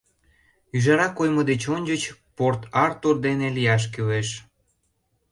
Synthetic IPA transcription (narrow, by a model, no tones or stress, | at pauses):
yʒɑɾɑkojməd̪et͡ɕonʲd͡ʑət͡ɕport̪ɑrt̪urd̪enelijɑʃ̬kyweʃ